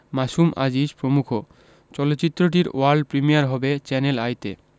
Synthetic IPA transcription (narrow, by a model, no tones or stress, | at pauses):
maʃumʔa̰d͡ʑiʃpɾomukʰo | t͡ɕɔlot̪ːɕit̪ːɾoʈ̬iɾo̰waɾɖpɾimijaɾɦɔbet͡ɕɛnelajt̪e